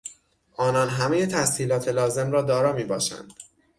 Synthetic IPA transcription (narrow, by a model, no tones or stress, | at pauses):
ʔɒːnɒːnɦæmeje̞t̪ʰæshiːlɒːt̪ʰe̞lɒːze̞mɾɒːd̪ɒːɾɒːmiːbɒːʃæ̰nd̪̥